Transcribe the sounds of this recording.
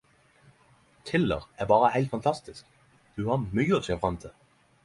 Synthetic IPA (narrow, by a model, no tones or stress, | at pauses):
t̪ʰɪlə̰ʁæbɑːʁəhæɪlt̪fɑnt̪ʰɑst̪ɪsk | d̪̥ʉhɑmyːɔsɛfʁɑnt̪ʰə